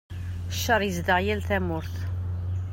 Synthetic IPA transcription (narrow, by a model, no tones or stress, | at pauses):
ʃːɑɾˤjəzd̪əʕjælθæmʊɾθ